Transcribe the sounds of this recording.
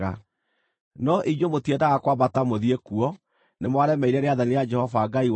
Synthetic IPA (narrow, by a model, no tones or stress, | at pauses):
a | nɔʔiɲomotiedaɣakwabatamoðiekuɔ | nemwaɾɛmɛiɾɛɾeaðanijad͡ʒɛhɔvaɡaiw